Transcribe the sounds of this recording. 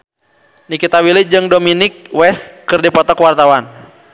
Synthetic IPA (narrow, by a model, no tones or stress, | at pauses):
nikit̪awilid͡ʒɨŋdominɪkwɛst̪kɨrdipɔt̪ɔkwart̪awan